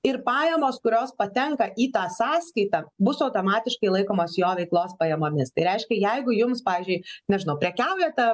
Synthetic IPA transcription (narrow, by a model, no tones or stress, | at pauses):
ɪrpɑːjɛmoːskʊɾʲoːspɐt̪ʲɛŋkɐʔiːt̪ɑːsɑːskɐɪt̪ɐbʊsɐʊt̪oːmɑːt̪ʲɪʃkɐɪlˠɐɪkoːmoːsjoːʋʲɛɪklˠoːspɐjɛmoːmʲɪst̪ɐɪɾʲɛɪʃʲkʲɛjɛɪɡʊjʊmspɑːʋʲiːzʲd͡ʒʲʊɪnʲɛʒʲɪnɐʊpʲɾʲɛkʲɛʊjɛt̪ɐ